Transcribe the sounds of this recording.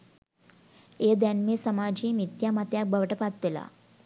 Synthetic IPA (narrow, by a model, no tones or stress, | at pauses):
ejəd̪ænmeːsamaːd͡ʒiːmit̪jaːmat̪jak̚bəʋəʈəpat̪ʋela̰